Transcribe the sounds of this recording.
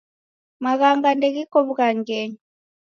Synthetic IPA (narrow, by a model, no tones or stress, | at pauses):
maɣaŋɡandɛɣikɔβuɣaŋɡɛɲi